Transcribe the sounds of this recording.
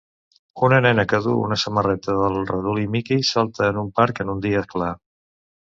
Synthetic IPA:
unənɛnəkəðuṵnəsəmərɛt̪əðəlˠrəðulimikisalˠt̪əːnumpaɾkənund̪iəkla

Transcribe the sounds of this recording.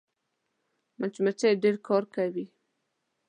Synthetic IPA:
mant͡ʃumat͡ʃaɖeɾkʰɑɾkawi

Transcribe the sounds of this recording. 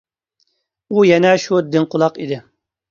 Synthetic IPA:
ujɛnɛʃud̪ɪnqʰʊlˠɑqid̪ɪ

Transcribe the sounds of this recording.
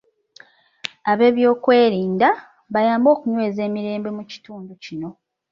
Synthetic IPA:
aβe̞ːβjo̞ːkwe̞ːɾiːnda | βajaːmbo̞ːkuɲwe̞ːze̞ːmiɾe̞ːmbe̞muci̥tuːnducino̞

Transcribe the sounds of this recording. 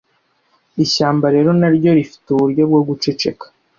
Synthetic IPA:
iɕaːmbaɾe̞ːɾo̞naɾɟo̞ɾifi̥tuuɾjobɡoɡut͡ʃet͡ʃe̞̰kḁ

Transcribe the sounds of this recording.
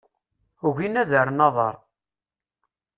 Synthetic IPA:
uʝinæðəɾənɑðˤə̰ɾˤ

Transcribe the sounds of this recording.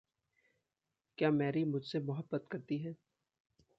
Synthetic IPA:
kjaːmɛːɾimʊd͡ʒʱsemʊɦəbːət̪kɐɾt̪iɦɛː

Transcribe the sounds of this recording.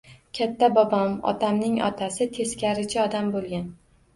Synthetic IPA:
kʲʰat̪ʰːabɒbɒmɒ̰t̪ʰamnɪŋɒ̰t̪ʰasɪt̪ʰe̞skʲʰaɾɪt͡ʃʰɪɒd̪ambolˠɡʲan

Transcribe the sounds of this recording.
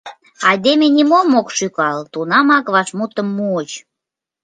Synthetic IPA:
ɑjd̪emenʲimomokʃykɑlt̪unɑmɑkβɑʃmut̪əmːuːt͡ɕ

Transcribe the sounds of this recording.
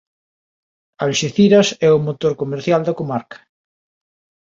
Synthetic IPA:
alʃeθiɾɐsɛʊmot̪oɾkomeɾθjald̪ɐkomaɾkɐ̥

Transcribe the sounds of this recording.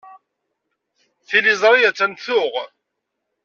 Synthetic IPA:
θilizˤɾˤijæt͡sːænθʊʁ

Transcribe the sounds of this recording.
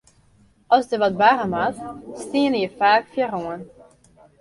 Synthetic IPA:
ɑlˠzdəʋɑt̚baʁəmatstiːnəjəfaːkfjaəroən

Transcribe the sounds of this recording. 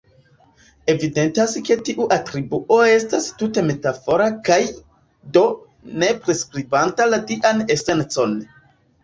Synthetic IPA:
e̞vide̞ntaske̞tiʔuʔatɾibuʔo̞e̞stastute̞me̞tafo̞ɾakaj | do̞ | ne̞pɾe̞skɾibantalatiʔane̞se̞nt͡so̞n

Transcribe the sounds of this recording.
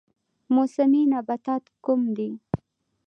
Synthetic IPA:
mosaminabat̪ɑt̪kumd̪i

